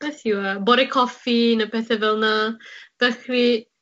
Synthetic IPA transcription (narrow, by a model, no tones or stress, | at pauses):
b̥ɛθjuabɔɾɛkʰɔfinapʰɛθɛvɛlˠnad̥əxri